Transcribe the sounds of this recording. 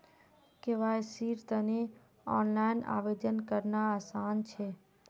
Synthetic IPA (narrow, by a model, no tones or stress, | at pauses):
keʋajsiɾt̪əne | ɔːnlaɪna̰ːʋed͡ʒənkəɾnaaːsaːnt͡ʃʰe